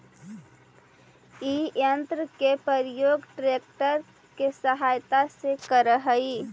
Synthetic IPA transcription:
ijənt̪ɾəkepəɾjoːɡʈɾeːk̚ʈəɾ | kesəɦajt̪asekəɾəɦəi

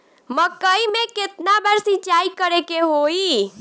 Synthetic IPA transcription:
məkːəimeket̪nabəɾsit͡ʃaikəɾekeɦoi

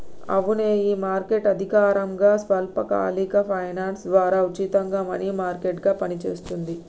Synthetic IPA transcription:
ɐ̰ʋuneːiːmaːɾkeʈɐd̪ʱikaːɾɐmɡaːsʋɐlpɐka̰ːlikɐpʰɐjnaːnsd̪ʋaːɾaːut͡ʃit̪ɐŋɡaːmɐnimaːɾkeʈɡaːpɐnit͡ʃe̞ːst̪und̪i

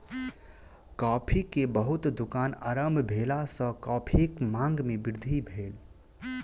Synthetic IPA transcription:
kɔːpʰikebəɦʊt̪d̪ukaːnə̰ɾəmbʱbʱeːlasə̃kɔːpʰekmãːŋɡmẽbɪɾd̪ʱibʱeːl

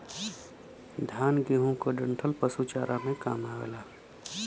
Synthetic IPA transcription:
d̪ʱjaːnɡeɦũkoɖə̃ɳʈʰəlpəsut͡ʃaːɾʔamẽkaːmaːɡ̰laː

